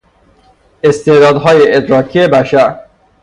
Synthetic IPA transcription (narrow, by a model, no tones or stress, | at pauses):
est̪ed̪ɒːd̪ɦɒːjeʔed̪ɾɒːkʰiebæʃæɾ